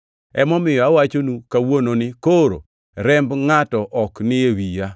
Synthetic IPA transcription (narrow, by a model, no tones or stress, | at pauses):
ɛ̰mɔmɪjɔawat͡ʃonukawononɪkoɾo̰ | ɾɛmbŋatɔʔɔknɪewija